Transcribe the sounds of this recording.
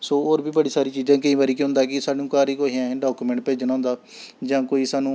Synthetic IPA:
soːoːɾbiːbəɽiːsaːɾiːt͡ʃiːd͡ʒãːkəĩːbaːɾiːkeɦʊ̃nd̪aːɛkɪsaːɖũːkaːɾiːkoːɦiãːɖaːkuːmɛ̃ɳʈ̚peːd͡ʒnaːɦʊnd̪aːd͡ʒãːkoːiːsaːnũː

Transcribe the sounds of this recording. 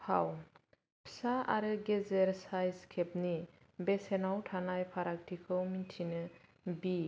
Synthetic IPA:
pʰaw | pʰsaʔaɾɯɡɛzɛɾsajzkʰɛp̚ni | bɛsɛnawtʰanajpʰaɾak̚tʰikʰɯwmintʰinɯ | bi

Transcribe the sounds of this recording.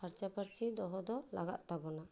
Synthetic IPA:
aɾt͡ʃapaɾt͡ʃʰid̪ɔɦɔd̪ɔla̰ɡa̰t̪̚t̪abɔna

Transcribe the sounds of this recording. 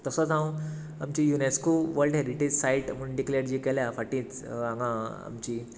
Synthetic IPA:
t̪əsət͡sãw | amt͡ɕijuneskoʋəɾlɖɦeɾiʈed͡ʑsaiʈm̤əɳɖikleɾd͡ʑiːkɛljafaʈĩːt͡sãŋɡãa̰mt͡ɕiː

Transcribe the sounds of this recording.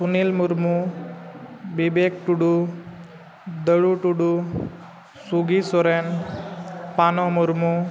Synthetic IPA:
sunilmuɾmu | bibek̚ʈuɽu | d̪əɽuʈuɽu | suɡisoɾen | panɔmuɾmu

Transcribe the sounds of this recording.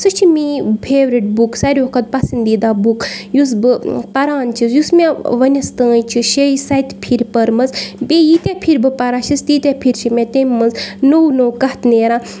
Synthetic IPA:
sɨt͡ʃʰimipʰeːʋɾiʈ̚buksɐɾʲukʰɐt̪̚pɐsɐnd̪iːd̪aːbukjus̬bɨpɐɾaːnt͡ʃʰisjusmʲẽʋɐnʲɐst̪ə̃ːjt͡ʃʰiʃeisɐjt̪ʲpʰiɾʲpɐɾmɐzbejit̪ʲepʰiɾbɨpɐɾaːʃist̪it̪ʲepʰiɾt͡ʃʰimʲẽt̪emʲːɐnznownoːkɐht̪neːɾãː

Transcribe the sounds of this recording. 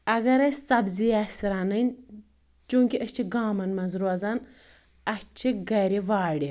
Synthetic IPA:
ɐɡɐɾɐsɐbzijasɾanɐnʲ | t͡ʃuːŋkʲiʔɐt͡ʃʰiɡaːmɐnmɐnzɾoɐzan | ɐst͡ʃʰiɡɐɾiʋaːɽi

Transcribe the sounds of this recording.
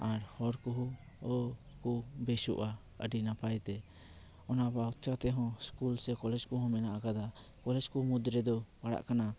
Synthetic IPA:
aɾhɔɾkuɦu | ɔkubɛʃṵʔa | ə̰ɖinapajt̪ɛ | ɔnabawt͡ʃat̪ɛɦɔ̃skulsɛkɔlɛd͡ʒkɔɦɔ̃mɛnaʔaɡad̪akɔlɛd͡ʒkumud̪ɾɛd̪ɔpaɽa̰ʔkana

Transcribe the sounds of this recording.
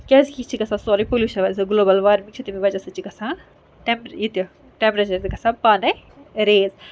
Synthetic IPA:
kʲɛzkit͡ʃʰikɐsãːsɔːɾipolʲuːʃɐʋɐzɐɡloːbɐlʋaːɾmik̚t͡ʃʰit̪imiʋɐt͡ʃɐsɐt͡ʃikɐsãː | ʈempɾjit̪o | ʈempɾɐt͡ʃɐɾt̪ikɐsãpaːne | ɾeːz

